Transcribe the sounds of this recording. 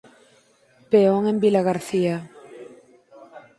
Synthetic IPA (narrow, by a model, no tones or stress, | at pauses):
peoŋembilaɣaɾθia